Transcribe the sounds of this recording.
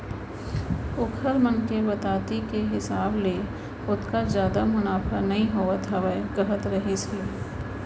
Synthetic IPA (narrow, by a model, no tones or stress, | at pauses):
ʊkʰəɾmə̃nkebɐt̪aːt̪ikeɦɪsaːble | ʊt̪kazjaːd̪amʊnaːfʰəɾnɐɦĩɦoːət̪ʰɦɐʋəɡɐɦət̪ɾɐɦise